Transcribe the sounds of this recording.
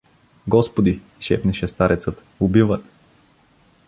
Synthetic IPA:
ɡɔspod̪i | ʃɛ̰pnɛʃɛst̪aɾʔɛt̪sət̪ | ʊbivət̪

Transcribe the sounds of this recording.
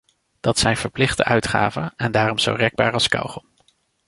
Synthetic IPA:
d̥ɑtsɛjnv̥əɹplɪχdə̰ʔœɥtχa̰ːvənɛndaːrɔmz̥o̰wrɛɡ̚ba̰ːɹɑlˠskɑ̰wχɔm

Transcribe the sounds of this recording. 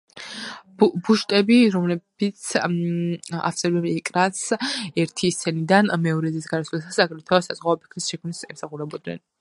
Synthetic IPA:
buʃt̪ʼɛbiɾɔmlɛbit̪sʰ | a̰t̪slɛbɛmɛkʼɾasɛɾt̪ʰist̪sʰɛnid̪anmɛɔɾɛzisɡaɾaslasasaɡɾɛt̪ʰasazʁaɔpʰi̥kʰɾisʃɛkʰmnisɛmsaχuɾɛbɔd̪nɛ̰n

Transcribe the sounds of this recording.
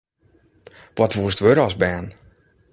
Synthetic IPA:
ʋɔtʋuəstʋøɾɔsbɛːn

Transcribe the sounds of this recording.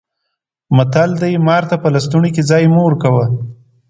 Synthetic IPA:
mat̪ald̪ajmɑɾt̪apəlast̪uɳiked͡zɑjmoɾkawə

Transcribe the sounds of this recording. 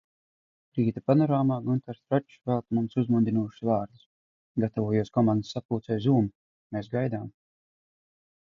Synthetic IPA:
ɾiːt̪apanɔɾaːmaːɡunt̪aɾsɾat͡ʃʃvalˠt̪mumsuzmund̪ʲinuɔːʃsvaːɾd̪us | ɡat̪avuɔjuɔskɔmand̪ɨsːapuːt̪sɛjzuːm | meːsɡajd̪aːm

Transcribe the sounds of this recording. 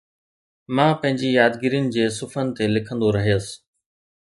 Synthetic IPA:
mãːpɐ̃ɦɪ̃ɲd͡ʑijaːd̪ɡɪɾijənɪ̆d͡ʑeːsʊfənɪ̆t̪elɪkʰə̃nd̪oɾɐɦijəsɪ̥̆

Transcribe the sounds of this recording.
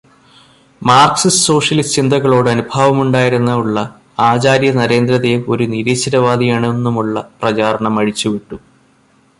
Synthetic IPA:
maːrksisso̞ːʂjɐlist͡ɕind̪ʱɐɣɐɭo̞ːɽɨɐnubʱaːʋɐmuɳɖaːjiɾunːɐuɭːɐ | aːt͡ɕaːɾjɐnɐɾe̞ːnd̪ɾɐd̪eo̞ɾuniɾiːɕɐɾɐʋaːd̪ʱijaːɳe̞nːumuɭːɐprɐt͡ɕaːɾɐɳɐmɐɻit͡ɕːuʋiʈːu

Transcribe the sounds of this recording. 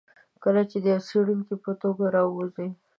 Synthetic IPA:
kəlat͡ʃed̪əjaseɽuŋkipət̪oɡaɾɑwoze

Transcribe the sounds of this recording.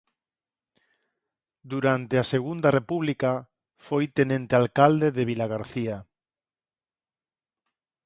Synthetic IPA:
d̪uɾant̪easeɣund̪arepuβlika | fojt̪enẽnt̪ealkald̪eðeβilaɣaɾθia

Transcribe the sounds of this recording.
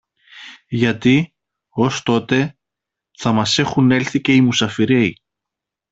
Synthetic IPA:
ʝɐt̪i | o̞st̪o̞t̪e̞ | θɐmɐse̞xune̞lθice̞imusɐfiɾe̞i

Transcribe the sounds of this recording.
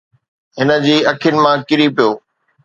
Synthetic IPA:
ɦɪnə̆d͡ʑiːɐkʰijʊnɪ̆mãkɪɾipijoː

